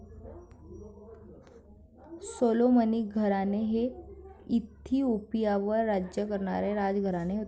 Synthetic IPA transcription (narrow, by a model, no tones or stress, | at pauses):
soloməniɡʱəɾaneɦeit̪ʰːiupijaʋəɾːad͡ʑjəkəɾɳa̰ɾeɾad͡ʒɡʱəɾaneɦot̪